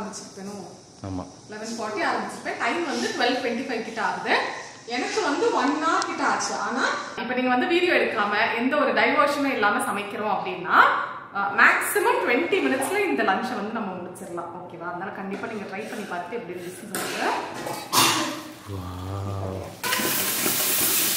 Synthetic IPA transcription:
ɐmbɪt͡ʃːɪɾkːenʊ̃ | a̰ːma̰ː | lɐnɐsfɔːɾʈːiaːɾɐmbɪt͡ʃːɪɾɯkːɐʈɐɪmʋɐnd̪ɯʈʊʋɛlʈʋɛɳʈifɐɪʋkɪʈːaːɾɐðɯ | ɛnɐkːɯʋɐnd̪ɯʋɐnːaːkɪʈːaːt͡ʃːɯʔaːnaːɪpːɐniːŋɡɐʋɐnd̪ɯʋiːɽijoːɛɽɯkːɐɾaːmɐʔɛnd̪ɐɔɾɯɖɐɪʋoːʂɐnẽːɪlːaːmɐsɐmɐɪkːɪɾõɐpːɐɽɪnːaː | maːksɪmɐmʈʊʋɛɳʈimɪnɪʈsɪlɐɪnd̪ɐlɐɲt͡ʃɐ̃ʋɐnd̪ɯnɐmːɐʊɽɯt͡ʃːɪɾɐlãːʔoːkeːʋaːɐðɐnaːlɐkɐɳɖɪpːaːniːŋɡɐʈɾɐɪʋpɐɳːipaːɾt̪t̪ːɐɛpːɐɽilbɪsnɐsɐɡɐ

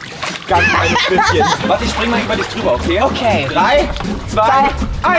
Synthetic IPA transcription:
ɡ̥ant͡saɪnəspɪçənvatɪçʃb̥ʁɪŋəmalʔyːbɐdɪçd̥ʁyːbɐokʰeːʔokʰeːd̥ʁaɪt͡sv̥aaʔa

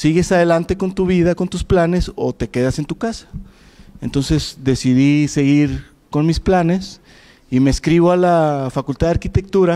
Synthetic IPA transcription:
siɣe̞saðe̞lant̪e̞ko̞nt̪uβiðako̞nt̪usplane̞so̞̰t̪eke̞ðase̞nt̪ukasḁ | e̞nt̪o̞nse̞zd̪e̞siðise̞ɣiɾ | ko̞nmisplane̞s | imeskɾiβoalafakult̪aðaɾkit̪e̞k̚t̪uɾa

